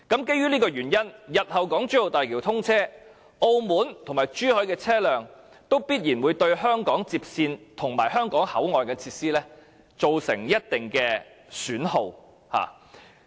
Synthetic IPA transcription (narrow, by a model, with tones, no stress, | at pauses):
kɐ˨˥mke˥jyː˥niː˥kɔː˧jyː˨˩njɐ˥njɐ˨t̚hɐ˨wkɔː˨˥ŋt͡ʃyː˥ho˨wt̪aː˨jkiː˨˩t̪ʰʊ˥ŋt͡sʰɛː˥ | o˧wmuː˨˥nt̪ʰŋmaː˨˩jt͡ʃyː˥hɵ˨˥jkɛː˧t͡sʰɛː˥lœː˨ŋ | t̪o˥wpiː˥t̚jiː˨˩nwuː˨˧jt̪ɵ˧ɥɦœː˥ŋkɔː˨˥ŋt͡siː˧p̚siː˧nt̪ʰʊ˨˩ŋmaː˨˩jɦœː˥ŋkɔː˨˥ŋhɐ̰˨˥wŋɔː˨jkɐ˨˧nt͡sʰiː˧t̚siː˥lɛː˥ | t͡so˨wsɪ̰˨˩ŋjɐ˥t̚t̪ɪ˨˩ŋkɛː˧ | syː˨˥nho˧w | ha̰ː˨